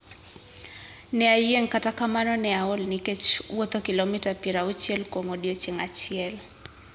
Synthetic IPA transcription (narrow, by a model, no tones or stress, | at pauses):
nɛajeŋkatakamanɔnɛaolniket͡ʃwot̪okilomitapiɾaut͡ʃjɛlkoŋodiot͡ʃɪŋat͡ʃɪɛl